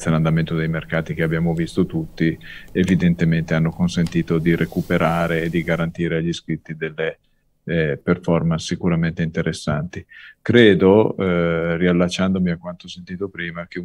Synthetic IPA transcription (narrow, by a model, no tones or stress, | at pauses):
saland̪ament̪od̪ejmerkaːt̪ik̟eabːjaːmovist̪ot̪ut̪ːievid̪ent̪ement̪eanːokonsent̪iːt̪od̪iɾʔekupeɾʔaːɾeːd̪ːiɡaɾant̪iːɾeaʎːiskɾit̪ːid̪elːe | perfɔrmansːikuɾament̪eint̪eɾʔesːant̪ikɾeːd̪o | rialːat͡ʃːand̪omiakwant̪osent̪iːt̪opɾiːmak̟e